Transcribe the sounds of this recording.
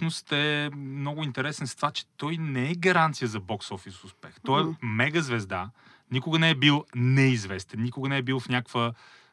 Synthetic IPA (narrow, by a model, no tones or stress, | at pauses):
nʊst̪ɛmnɔɡʊint̪ɛɾɛsɛnst̪vat͡ʃɛ̥t̪ɔjnɛɛɡɐɾant̪sijəzɐbɔksɔfisʊspɛxt̪ɔɛmɛɡəzvɛzd̪a | nikʊɡənɛɛbilˠnɛizvɛst̪ɛnnʲikʊɡənɛɛbilˠfnʲakvə